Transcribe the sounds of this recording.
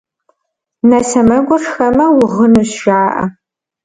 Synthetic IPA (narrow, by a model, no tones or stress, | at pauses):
nɐsɐmɐɡʷɔʈ͡ʂxɐmɐwʊʁənuɕʃaːʔɐ̰